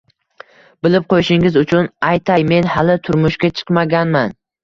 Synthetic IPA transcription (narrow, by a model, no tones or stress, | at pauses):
bɪlɪp̚qʰojʃɪŋɪzʊt͡ʃʰʊnajt̪ʰajme̞nhalɪt̪ʰʊɾmʊʃkʲat͡ʃʰɨ̥qmaɡʲanman